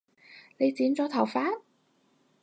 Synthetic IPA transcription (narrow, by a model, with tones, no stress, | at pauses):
ne˨˧jt͡siː˨˥nt͡sɔː˨˥t̪ʰɐ˨˩wfaː˥n